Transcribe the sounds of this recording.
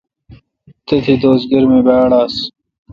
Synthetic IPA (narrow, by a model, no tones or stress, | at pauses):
t̪et̪ʰid̪oːsɡɐɾmẽbaːɽaːs